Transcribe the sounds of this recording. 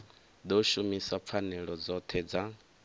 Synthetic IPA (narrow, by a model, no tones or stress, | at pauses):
d̪ɔʃumisap̪fʰanɛɺɔd͡zɔt̪ʰɛd͡za